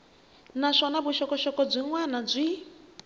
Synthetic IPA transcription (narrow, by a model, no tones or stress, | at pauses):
naʂɔnabuʃɔkɔʃɔkɔd͡zʷiŋwanad͡zʷi